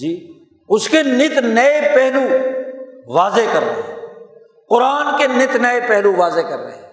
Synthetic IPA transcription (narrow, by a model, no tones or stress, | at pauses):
d͡ʒiː | ʊskenɪt̪nəepɛɦlu | ʋaːzekəɾːəɦɛ̃ | qʊɾaːnkenɪt̪nəepɛɦluʋaːzekəɾːə̰ɦɛ̃